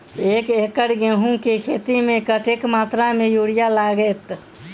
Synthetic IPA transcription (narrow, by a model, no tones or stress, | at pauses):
ekekəɾɡeɦũkekʰet̪imẽkəʈekmaːt̪ɾamejuɽijalaɡet̪